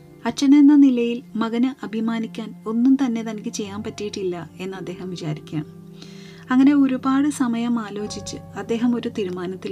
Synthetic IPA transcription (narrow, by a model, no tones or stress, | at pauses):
ɐt͡ɕːɐne̞nːɐnilɐjilmɐɡɐnɨʔɐbʱimaːnikʲːaːno̞nːumt̪ɐnːe̞t̪ɐnɐkʲːɨt͡ɕe̞jːaːmpɐtːijiʈːilːɐe̞nːɨɐd̪ːe̞ːɦɐmʋit͡ɕaːɾikʲːa̰ːm | ɐŋːɐne̞oɾubaːɽɨsɐmɐjɐmaːlo̞ːt͡ɕit͡ɕːɨɐd̪ːe̞ːɦɐmo̞ɾut̪iɾumaːnɐt̪ːi